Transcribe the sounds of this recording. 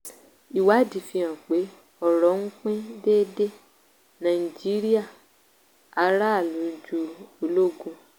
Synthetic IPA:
i˨wa˨˦di˨fĩ˧ã˨k͡pe˨˦ | ɔ˦˨ɾɔ˨˦ŋ̩˦k͡pẽ˦deː˦de˦ | nã˨i˨d͡ʒi˨˦ɾi˦a˦˨ | a˨˧ɾa˦˨lu˨˦d͡ʒu˧o˨lo˦ɡũ˧

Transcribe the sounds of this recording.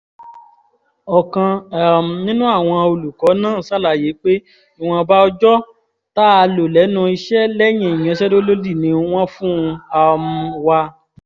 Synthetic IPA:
ɔ˨kã˧˨m̩˨nĩ˦nũ˦a˦˨w̃ɔ̃˧o˧lu˨kɔ˨˦nãː˦˨sa˦la˨je˨˦k͡pe˦ | i˦˨w̃ɔ̃˧ba˦ɔ˦d͡ʒɔ˦ | ta˦a˧lo˨lɛ˨˦nũ˧i˧ʃɛ˦lɛ˦j̃ĩ˨j̃ɛ̃˨˧˦ʃɛ˦do˦lo˦di˦˨nĩ˨˧˦w̃ɔ̃˦fũ˦˧a˧m̩˧wa˧

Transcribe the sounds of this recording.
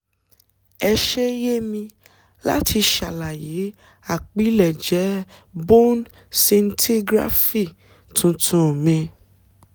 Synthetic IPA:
ɛ˧ʃɛ˦je˦mĩ˧ | la̰˦tʰi˧ʃa˨la˨je˨˦ | a˦˨k͡pi˨˦lɛ˨d͡ʒɛ˨˦ | bo˦n | se˧n̩˦tʰi˦ɡɾa̰˦fi˦˨ | tʰũ˨˧tʰũ˧˦˨mĩ˧

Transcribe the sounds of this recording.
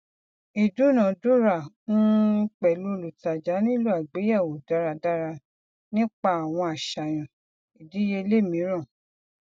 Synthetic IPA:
i˨du˨˦nã˨du˦ɾa˨nũ˦k͡pɛ˨lu˦˨lu˨ta˨d͡ʒa˨˦nĩ˦lu˦a˨ɡ͡be˨˦ja˦˨wo˨da˦ɾa˧da˦ɾa˧ | nĩ˦k͡pa˦a˨w̃ɔ̃˧a˨ʃa˨j̃ã˨ | i˨di˨˦je˧le˦˨mĩ˨˦ɾã˦˨

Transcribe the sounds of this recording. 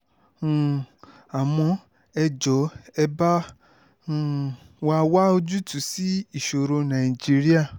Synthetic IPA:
a˨w̃ɔ̃˧ | ɛ˧d͡ʒɔ˨˦ɛ˧bã˦˨ | wa˧wa˦o˧d͡ʒu˦tu˨˦si˦i˦˨ʃo˨ɾo˧nã˨i˨d͡ʒi˦ɾi˦a˦˨

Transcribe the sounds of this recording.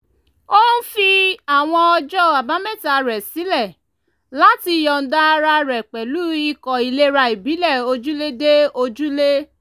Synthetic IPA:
o˦n̩˦fi˧a˨w̃ɔ̃˧ɔ˧d͡ʒɔ˦˨a˨ba˨˦mɛ̃˦˨ta˨ɾɛ˨si˨˦lɛ˦˨ | la˨˦ti˧jɔ˨n̩˨˦da˦˧ɾa˧ɾɛ˨k͡pɛ˨lu˦i˧kɔ˨i˨le˦ɾa˧i˨bi˨˦lɛ˦˨o˧d͡ʒu˦le˦de˦o˧d͡ʒu˦le˦

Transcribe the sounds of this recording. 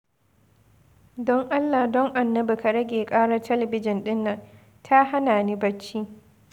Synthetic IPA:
dɔ˦ŋʔa˦lːa˨hdɔ˦ŋʔa˨nːɐ˦bu˨ka˨ɽɐ˦ɡʲeː˨kʼaː˦ɽɐ˦rtʰɐ˦lɐ˨bɪ˦d͡ʒɪ˨nɗɪ˦nːɐ˨ŋ | tʰa˦ha˦naː˨ni˦bɐ˦t͡ʃːiː˦

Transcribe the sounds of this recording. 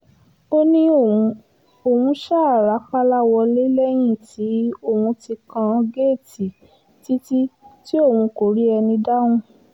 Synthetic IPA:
o˦nĩ˦õ˨˧ | o˨wũ˧ʃa˦˨ɾa˨˦k͡pa˦la˦wɔ˧le˦lɛ˦j̃ĩ˦˨ti˨˦o˦˨wũ˧ti˧kã˧ɡe˦˨ti˨ | ti˦ti˦ti˦o˦˨wũ˧ko˨ɾi˦ɛ˧nĩ˧da˦wũ˧

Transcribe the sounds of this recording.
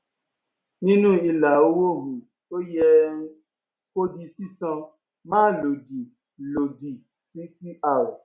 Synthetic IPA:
nĩ˦nũ˦i˧la˨o˦wo˦ɦu˨ | o˦jɛ˧˦ | ko˦di˧si˦sã˧ | mãː˦lo˨di˨ | lo˨di˨ | si˦ti˦a˨wɔ˨

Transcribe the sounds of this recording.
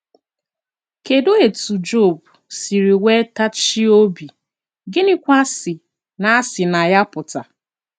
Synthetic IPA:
ke˨do˦e˨tu˨d͡ʒo˦˨bsi˨ɾi˨we˦ta˦t͡ʃi˦o˦bi˨ | ɡɪ˦ni˦kʷa˦sɪ˨ | na˦a˦sɪ˨na˨ja˦pʊ˨ta̰˨

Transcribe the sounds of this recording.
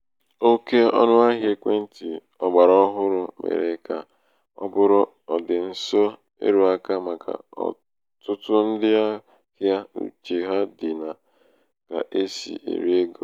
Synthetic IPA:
o˦ke˦ɔ̰˦nʊ˦a˦ɦje˦kʷe˦n̩˦ti˨ | ɔ˨ɡ͡ba˨ɾɔ˦ɦʊ˦ɾʊ˨mʔḛ˨ɾe˨ka˨ | ɔ̰˦bʊ˦ɾʊ˦ | ɔ˨dɪ˨n̩˦sɔ˦ | ḛ˦ɾu˨a˦ka˦ma˨ka̰˨ɔ̰˨ | tʊ˦tʊ˦n̩˦dɪ˦a˦ | hja˦ṵ˨t͡ʃe˨ɦa˦di˨na˨ | ka̰˨ʔe˦sḭ˨ḛ˨ɾi˦e˦ɡo˨

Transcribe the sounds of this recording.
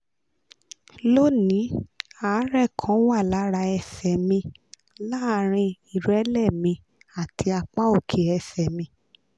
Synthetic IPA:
lo˦nĩ˨˦a˨˦ɾɛ˦˨kʰã˨˦wa˦˨la˨˦ɾa˧ɛ˧˨sɛ˨mĩ˧ | la˦˧˦ɾ̃ĩ˧i˨ɾɛ˨˦lɛ˦˨mĩ˧ | a˨tʰi˧a˧k͡pa˦o˦˨kʰe˨˦ɛ˧˨sɛ˨mĩ˧

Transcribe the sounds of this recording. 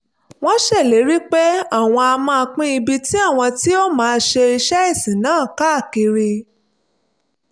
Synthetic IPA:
w̃ɔ̃˦ʃɛ˦˨le˨˦ɾi˦k͡pɛ˦a˦˨w̃ɔ̃˧a˧mã˧a˧k͡pĩ˦i˧bi˧ti˦a˦˨w̃ɔ̃˧ti˦o˦mãː˨˦˧ʃe˧i˧ʃɛ˦i˦˨sĩ˨˦nãː˨˦˨ka˦a˦˨ki˧ɾe˧

